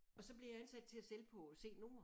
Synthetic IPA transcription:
ɒ̽sɒ̽b̥lejɑ̈ænsæd̥̚t͡sʰe̝æselpʰɒ̽se̝̰ːno̝mɐ

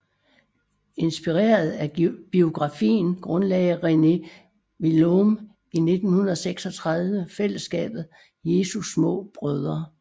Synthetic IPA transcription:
e̝nsb̥iʁḛːɐð̞̩ˠæb̥io̝ɡ̥ʁɑ̈fḭːnɡ̥ʁɔ̽nlɛɪɐʁene | ʋilom | ine̝d̥n̩hunɐðˠseɡ̥sɒ̽t͡sʰʁɑ̈ð̞ˠʋəfel̰əsɡ̥ɛ̰ːb̥ð̩ˠ | je̝ːsusmɔ̰̽ːb̥ʁœð̞ˠɐ

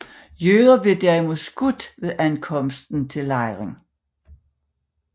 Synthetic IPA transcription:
jøːðˠɐb̥e̝d̥æɐimu̝ð̰ˠsɡ̥ud̥ʋe̝ðˠʔænkʰɒ̽m̰sd̥n̩t͡sʰe̝lːɑ̈ɪʁeŋ

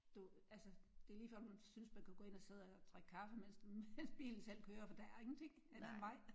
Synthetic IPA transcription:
d̥uælsəd̥e̝liːfɒ̰dmunsynsmænkʰuɡ̥ɔ̽ːe̝n̰ɒ̽se̝ð̞̰ˠɒt͡sʰʁaɡ̥əkʰɑ̈fəmen̰smensb̥ḭːln̩sel̰kʰøːɐfɒ̽d̥æ̈æɐe̝ŋn̩t͡sʰe̝ŋ̰ædmɑ̈ɪ̰

